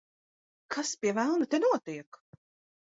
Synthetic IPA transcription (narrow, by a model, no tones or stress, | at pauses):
kʰaspʲiɛvælˠnut̪enuɔt̪iɛk